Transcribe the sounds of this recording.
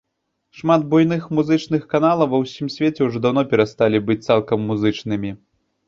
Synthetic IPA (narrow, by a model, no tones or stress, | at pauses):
ʂmad̪̚bujn̪ɨxmuzɨt͡ʂn̪ɨxkanalˠɐwvɐwsʲimsʲvʲet͡sʲɛwuʐɔd̪awnɔpʲɛɾast̪alʲibɨt͡sʲt̪salˠkɐmːuzɨt͡ʂnɨmʲi